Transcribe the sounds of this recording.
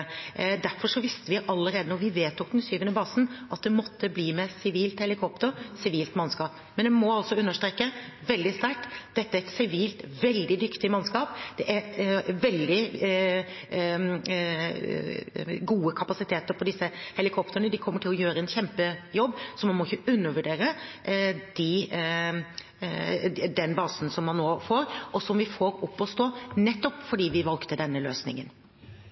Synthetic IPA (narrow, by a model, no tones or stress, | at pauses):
d̪æɾfɔʂɔʋɪst̪əʋɪʔɑlːəɾeːd̪ənɔʋɪʋeːt̪ɔk̚d̪ɛnsyːʋənəbɑːsn̩ʔɑt̪̚d̪ɛmɔt̪ʰːəbliːmɛsɪʋiːlt̪hɛlɪkʰɔpt̪əɾsɪʋiːlt̪mɑnskɑːp | mɛnd̪ɛmɔɑlsɔʉnːəʂt̪ɾeːkːəʋɛld̪ɪst̪æɾʈːd̪̥ɛt̪ːəæɾɛt̪sɪʋiːlt̪ʋɛld̪ɪd̪ʏkt̪ɪmɑnskɑːpd̪̥ɛʔæɾʋɛld̪ɪ | ɡuːəkʰɑpɑsɪt̪ʰeːt̪əɾpʰɔd̪ɪsːəhɛlɪkʰɔpt̪əɾəɳəd̪ɪkʰɔmːəʈʰɪlɔjøːɾəɛnçɛmpəjɔbːsɔmɑnmɔɪçːəʉnːəʋʉɖeːɾə | d̪̥ɪ | d̪ɛnbɑːsn̩sɔmːɑnːoːfoːɾʔɔsɔmʋɪfoːɾɔpːɔst̪oːnɛt̪ːɔpfɔɖiːʋɪʋɑlkt̪əd̪ɛnːəløːsnɪ̰ŋən